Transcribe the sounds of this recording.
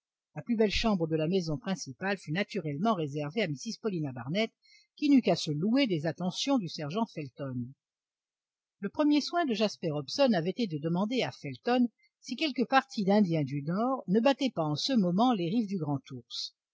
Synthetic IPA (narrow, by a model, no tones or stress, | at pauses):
laplybɛlʃɑ̃bʁəd̪əlamɛzɔ̃pχɛ̃sipalfynat̪yʁɛlmɑ̃ʁezɛʁveamisiz̥pɔlinabaʁnɛt̪ | kʲinykasəlued̪ezat̪ɑ̃sjɔ̃d̪ysɛʁʒɑ̃fɛlt̪ɔn | ləpχəmjeswɛ̃d̪əʒaspɛʁɔbsɔnavɛt̪ed̪əd̪əmɑ̃d̪eafɛlt̪ɔn | sikʲɛlkəpaʁt̪ʰid̪ɛ̃d̪jɛ̃d̪ynɔʁnəbat̪ɛpaɑ̃səmɔmɑ̃leʁifd̪yɡʁɑ̃t̪uʁs